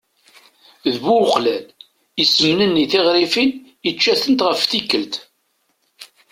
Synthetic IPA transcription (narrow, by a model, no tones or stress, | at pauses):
ðbuwqlæl | isəmnənːiθɪʁɾifin | ət͡ʃːæθənt̪ʁəfθikːəlt̪